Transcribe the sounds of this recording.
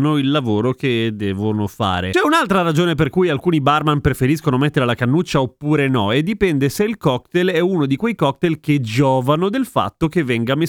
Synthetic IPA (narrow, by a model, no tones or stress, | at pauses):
noilːavoːɾok̟ed̪ɛːvonofa̰ːɾḛt͡ʃɛunalt̪ɾaɾad͡ʒoːnep̬erkujalkuːnibarmampɾefeɾiskonomet̪ːeɾelakanːut͡ʃːaopːuːɾenɔed̪ːipɛnd̪eseilkɔkt̪elɛunod̪ikwejkɔk̚t̪elked͡ʒɔːvanod̪elfa̰t̪ːokevːɛŋɡame